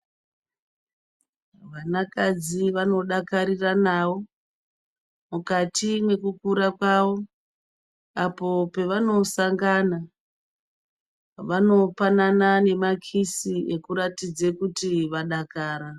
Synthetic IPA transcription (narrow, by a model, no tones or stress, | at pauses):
ʋanakad͡ziʋano̞ɗakaɾiranaʋo̞ | mukatimwe̞kukuɾakwaʋo̞ | apo̞pe̞ʋano̞saŋɡana | ʋano̞pananane̞makʰisie̞kuɾatid͡zekutiʋaɗakaːɾa